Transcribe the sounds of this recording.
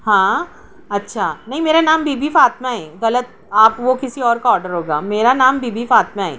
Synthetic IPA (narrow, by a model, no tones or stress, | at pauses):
ɦãː | ɐtːʃʰaːnɐɦĩmeːɾanaːmbiːbifaːt̪maɦɛːɣɐlət̪̚ | aːpʋokɪsiɔːɾkaɔːɾɖəɾɦoːɡaːmeːɾanaːmbiːbifaːt̪maɦɛ̰ː